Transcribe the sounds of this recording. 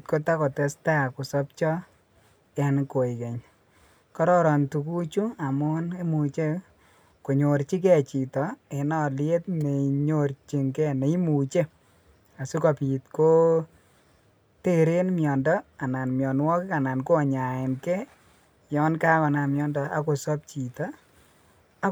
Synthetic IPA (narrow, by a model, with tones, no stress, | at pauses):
tko˦ta˦kɔ˨tɛ˦sta˦˨kʊ˨sɔ˦p̚t͡ʃɔ˦ | ɛ˦nko˨ɪ˨ke˨ɲ | kɔ˦ɾɔ˦ɾɔ˨ntu˨ku˦t͡ʃu˦a˨mʊ˦ne˦mu˨t͡ʃe˦ | ko˨ɲo˨ɾt͡ʃi˦kɛ˦˨t͡ʃi˨tɔ˨ɛ˨nɔ˦˨lɪ˦e˦tme˨ɲo˦ɾt͡ʃi˨ŋkɛ˦˨ne˨i˦mu˨t͡ʃe˦ | a˨su˦kɔ˨pi˨tko˦ | te˦ɾe˦nmjɔ˨ndɔ˦a˨na˨nmjɔ˨nwɔ˦kka˨na˨nko˦˨ɲa˨ɪ˨nkɛ˦ | jɔ˦nka˦kɔ˨na˨mjɔ˦ndɔ˨a̰˦ko˨sɔ˦p̚t͡ʃi˨tɔ˦ | a˨˦